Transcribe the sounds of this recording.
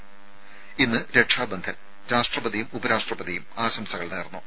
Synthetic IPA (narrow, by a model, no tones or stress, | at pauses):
inːɨɾe̞ʈʂaːd̪ɐnd̪ʰʱɐ | ɾaːʂʈrɐbɐðijumubɐɾaːʂʈrɐbɐðijumaːɕɐmsɐɣɐɭneːrnːu